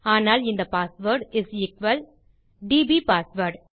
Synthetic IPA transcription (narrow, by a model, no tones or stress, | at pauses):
aːnaːlɪ̃nd̪ɐpaːsʋəːɾɖɪzɪkʋɐl | ɖiːbiːpaːsʋəɾɖ